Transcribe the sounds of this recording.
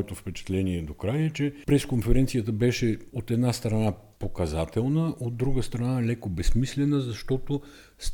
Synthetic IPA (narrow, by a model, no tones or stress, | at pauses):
ɛt̪ofpɛt͡ʃɛ̥t̪lɛniɛd̪okɾajɛt͡ʃɛpɾɛskonfɛɾɛnt̪sijət̪əbɛʃɛot̪ɛd̪nast̪ɾɐna | pokɐzat̪ɛlˠnəʔod̪ːɾuɡəst̪ɾɐnalɛkobɛsmislɛnəzɐʃt̪ɔt̪o | s